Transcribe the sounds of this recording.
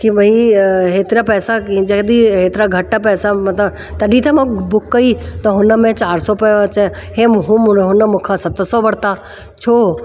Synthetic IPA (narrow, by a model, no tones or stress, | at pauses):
kimɐĩɦeːt̪ɾapɛːsakd͡ʒɐkd̪iɦeːt̪ɪɾaɡʱɐʈːapɛːsamɐt̪ə | t̪ɐɖit̪ɐmõbʊkːəit̪ɐɦʊnəmẽt͡ʃaːɾsɔpɐjot͡ʃə | ɦeɦũmɦʊnəmʊ̃kʰasɐt̪sɔʋɐɽt̪a | t͡ʃʰoː